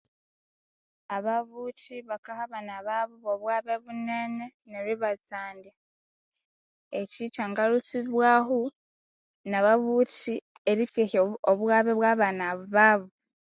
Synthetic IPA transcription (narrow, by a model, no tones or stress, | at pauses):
aβaβutʰiβakahaβanaβaβuβoβwaːβe̞βune̞ːne̞neβiβat͡saːnde | ecit͡ʃaŋɡalut͡siβwaːɦu | naβaβuːti | eɾikeçooβwaːβeβwaːβanaββaːβo